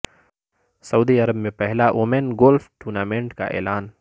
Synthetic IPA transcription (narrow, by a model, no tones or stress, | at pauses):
sɐuːd̪iɐɾəbmẽpɛɦlaʔoːmenɡoːlfʰʈuːɾnaːmẽɳʈka̰ʔɛ̰ːlaːn